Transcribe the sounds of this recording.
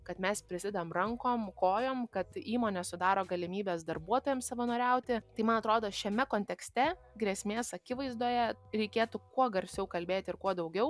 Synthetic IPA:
kɐt̪mʲɛspʲɾʲɪsʲɪd̪ɐmrɐŋkoːmkoːjoːmkɐt̪iːmoːnʲɛsʊd̪ɑːɾoːɡɐlʲɪmʲiːbʲeːsd̪ɐrbuɔt̪oːjɛmsɐʋɐnoːɾʲɛʊt̪ʲɪt̪ɐɪmɐnɐt̪ɾoːd̪oːʃʲɛmʲɛkoːnʲt̪ʲɛksʲt̪ʲɛ | ɡɾʲɛsʲmʲeːsɐkʲɪʋɐɪzd̪uɔːjɛɾʲɛɪkʲeːt̪ʊkuɔɡɐɾʲsʲɛʊkɐlʲbʲeːt̪ʲɪrkuɔd̪ɐʊɡʲɛʊ

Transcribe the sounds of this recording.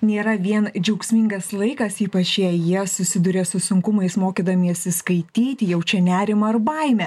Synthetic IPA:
nʲeːɾɐʋʲiɛnd͡ʒʲɛʊksʲmʲɪŋɡɐslˠɐɪkɐsiːpɐt͡ʃjɛjiɛsʊsʲɪd̪ʊɾʲesʊsʊŋkʊmɐɪsmoːkʲiːd̪ɐmʲiɐsʲɪskɐɪt̪ʲiːt̪ʲɪjɛʊt͡ʃʲɛnʲæːɾʲɪmɐɐɾbɐɪmʲɛ

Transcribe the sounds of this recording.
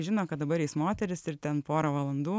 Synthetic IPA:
ʒʲɪnoːkɐt̪d̪ɐbɐɾjɛɪsmoːt̪ʲɛɾʲɪsɪrt̪ʲɛnpoːɾoʋɐlˠɐnd̪uː

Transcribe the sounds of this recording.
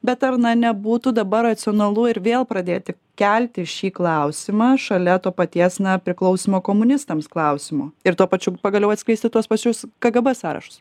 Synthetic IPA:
bʲɛt̪ɐrnɐnʲɛbuːt̪ʊd̪ɐbɐrːɐt̪sʲɪoːnɐlˠʊɪɾʋʲeːlˠpɾɐd̪ʲeːjt̪ʲɪkkʲɛlʲt̪ʲɪʃʲiːklˠɐʊsʲɪmɑːʃɐlʲɛt̪oːpɐt̪ʲiɛsnɐpʲɾʲɪklˠɐʊsʲimoːkoːmʊnʲɪst̪ɐmsklˠɐʊsʲɪmoɪɾt̪uɔpɐt͡ʃʲʊpɐɡɐlʲɛʊɐt̪sʲklʲɛɪsʲt̪ʲɪt̪uɔspɐt͡ʃʲʊskɐɡɐbɛsɑːɾɐ̰ʃʊ̥s

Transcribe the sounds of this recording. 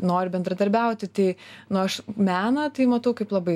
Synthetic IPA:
noːɾʲbʲɛnd̪ɾɐd̪ɐɾʲbʲɛʊt̪ʲɪt̪ɐɪnʊɐʃmʲæːnɐt̪ɐɪmɐt̪ɐʊkɐɪplˠɐbɐɪ

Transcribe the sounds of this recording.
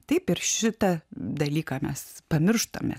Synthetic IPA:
t̪ɐɪpɪɾʃʲɪt̪ɐd̪ɐlʲiːkɑːmʲɛspɐmʲɪrʃt̪o̰mʲɛ̰

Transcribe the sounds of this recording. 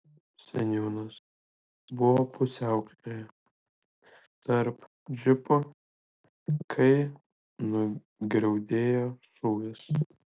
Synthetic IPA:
sʲɛnʲjoːnɐs | bʊʋoːpʊsʲæˑʊklʲoːjɛ | t̪ɐɾp | d͡ʒʲɪpo | kʰɐɪ | nʊ | ɡɾʲɛʊd̪ʲeːjoːsuːɡʲɪs

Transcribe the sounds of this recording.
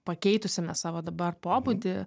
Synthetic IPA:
pɐkʲɛɪt̪ʊsʲɪmʲɛsɑːʋoːd̪ɐbɐrpoːbʊd̪ʲɪ

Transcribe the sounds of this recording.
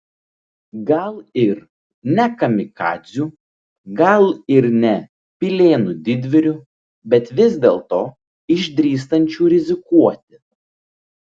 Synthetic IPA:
ɡɐlˠɪɾ | nʲɛkɐmʲɪkɑ̰ːd̪zʲuː | ɡɐlˠɪɾnʲɛ | pʲɪlʲeːnʊd̪ʲɪd̪ʲʋʲɪɾʲʊ | bʲɛt̪ʋʲɪzʲd̪ʲeːlˠt̪oː | ɪʒʲd̪ʲɾʲiːs̬t̪ɐnʲt͡ʃʲuːɾʲɪzʲɪkuɔt̪ʲɪ

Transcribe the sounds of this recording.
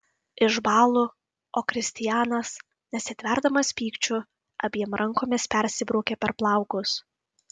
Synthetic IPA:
ɪʒbɑːlˠu | oːkɾʲɪsʲt̪ʲɪjæːnɐs | nʲɛsʲɪt̪ʲʋʲɛɾd̪ɐmɐspʲiːkt͡ʃʲʊ | ɐbʲiɛmɾʔɐŋkoːmʲɪspʲɛɾʲsʲɪbɾuːkʲeːpʲɛɾplˠɑˑʊkʊs

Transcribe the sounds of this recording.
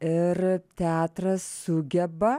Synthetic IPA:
ɪɾt̪ʲɛɑːt̪ɾɐsːʊɡʲɛbɐ

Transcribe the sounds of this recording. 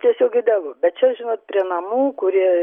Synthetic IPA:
t̪ʲiɛsʲoːkɡʲɪd̪ɑːʋˠoːbʲɛt̪̚t͡ʃʲɛʒʲɪnoːt̪̚pʲɾʲiɛnɐmuːkʊɾʲiɛ

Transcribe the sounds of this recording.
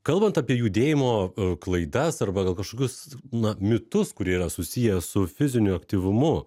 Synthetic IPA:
kɐlˠbɐnt̪ɐpʲiɛjuːd̪ʲeːjɪmoːklˠɐɪd̪ɐsɐrbɐɡɐlˠkɐʃkoːkʲʊsnɐmʲɪt̪ʊskʊɾʲiɛiɾɐsʊsʲijɛsʊfʲɪzʲɪnʲʊɐkt̪ʲiʋʊmʊ

